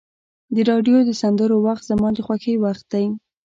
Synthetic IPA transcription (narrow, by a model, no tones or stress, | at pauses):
d̪əɾɑɖjod̪əsand̪əɾowaxt̪z̥amɑd̪əxwaxəjwaxt̪̚d̪aj